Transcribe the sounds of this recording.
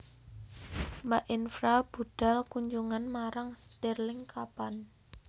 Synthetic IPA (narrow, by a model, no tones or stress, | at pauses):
maʔɪnfɾab̥uɖ̥a̤lkuɲd͡ʒuŋanmaɾaŋst̪ɛrlɪŋkapan